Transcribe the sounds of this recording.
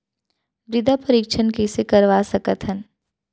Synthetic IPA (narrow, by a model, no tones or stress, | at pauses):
bɾɪd̪ʱapəɾikʃʰənkesekɐɾʋasɐkət̪ɦən